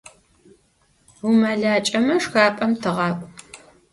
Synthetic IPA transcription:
wumɐɮaːt͡ʃʼɐmɐʂxaːpʼɐmtʰɨʁɑːkʷʼ

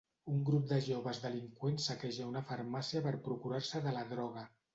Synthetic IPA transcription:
uŋɡɾup̚d̪əʒoβəzðəliŋkwensːəkɛʒəunəfəɾmasiəpəɾpɾukuɾaɾsəðələðɾɔɣ̞ə

